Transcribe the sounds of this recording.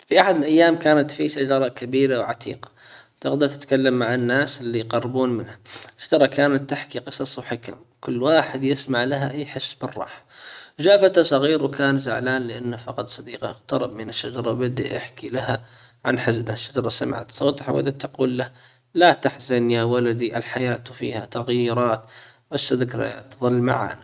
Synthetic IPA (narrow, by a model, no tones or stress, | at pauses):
fiʔaħad̪ɪlʔajːaːmkaːnat̪fiʃad͡ʒɑɾˤɑkabiːɾawʕat̪ʰḭːqɑ̥ | t̪ɪɣd̪ɑt̪ɪt̪kalːamːaʕanːaːsɪlːijqɑrˤːbuːnmɪnhaʃːad͡ʒɑɾˤɑkaːnat̪ːɪħkiqɨsˤɑsˤwħɪka̰m | kʊlːwaːħɪd̪jɪsmaʕlaɦa̰ʔaːħɪsːbɪrˤːɑ̰ːħḁd͡ʒaːfat̪asˤɑɣiːɾwkaːnzaʕlaːnlɪʔanːafɑqɑt̪ˤsˤɑd̪iːqɑɣt̪ɑɾˤɑbmɪnɪʃːad͡ʒɑɾˤɑbɪd̪ḭʔɪ̰ħkilaha | ʕanħɪzbaʃːad͡ʒɑɾˤɑsama̰ʕa̰t̪sˤoːt̪ˤħa̰wʔa̰d̪at̪ːɑquːlːah | lat̪aħzanjawalad̪iʔalħajaːt̪fḭːhat̪aɣjɪɾˤɑːt̪basːaðɪkɾ̰ja̰t̪ðˤɨlːma̰ʕa̰ːna